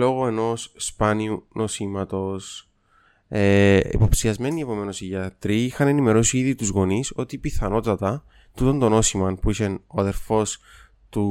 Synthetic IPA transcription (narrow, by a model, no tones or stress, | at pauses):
lo̞ɣoe̞no̞sspɐniunʔo̞simɐt̪o̞s | eḭpo̞psiɐzme̞nie̞po̞me̞no̞siʝɐt̪ɾiixɐne̞nime̞ɾosiiðit̪uzɣo̞niso̞t̪ipiθɐno̞t̪ɐt̪ɐ | t̪ut̪o̞nd̪o̞no̞simɐnpuisenoɐðe̞ɾfo̞s | t̪u